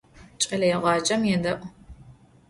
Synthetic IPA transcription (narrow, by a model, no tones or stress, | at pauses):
t͡ʃʼɐlɐjɛʁɑːd͡ʒɐmjɛdɐʔʷʼ